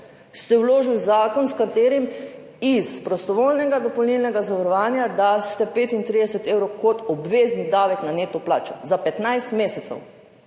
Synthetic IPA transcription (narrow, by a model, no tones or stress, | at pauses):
st̪ɛwloːʒilzaːkɔnskat̪eːɾim | ispɾɔst̪ɔʋoːlnɛɡad̪ɔpɔlnilnɛɡazaʋaɾɔʋaːnjad̪ast̪ɛpeːt̪int̪ɾid̪ɛsɛt̪eːwɾowkɔt̪ɔbʋeːznid̪aːʋɛknaneːt̪ɔplaːt͡ʃɔ̰zapɛt̪najst̪meːsɛt̪sɛ̰w